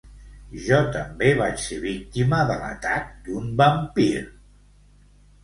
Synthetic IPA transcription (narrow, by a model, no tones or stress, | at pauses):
ʒɔt̪əmbeβat͡ʃseβik̚t̪iməðələ̰t̪ak̚d̪umbəmpiɾ